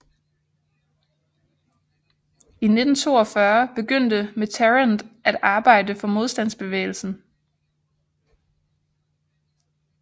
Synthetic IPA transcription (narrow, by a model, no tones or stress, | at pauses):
ine̝d̥n̩t͡sʰo̝̰ːɒfɶɐb̥e̝ɡ̥øn̰d̥əmet͡sʰeʁənd̥ʔæd̥ɑ̈ːb̥ɑ̈ɪ̰d̥əfɒ̽mo̝ð̞ˠsd̥æn̰sb̥e̝ʋḛːɪl̩sn̩